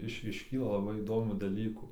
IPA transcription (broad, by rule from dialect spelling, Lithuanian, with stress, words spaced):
ˈɪʃ ɪʃʲˈkʲiːlˠɐ lˠɐˈbɐɪ iːˈdoːmʲuː dɐˈlʲiːkuː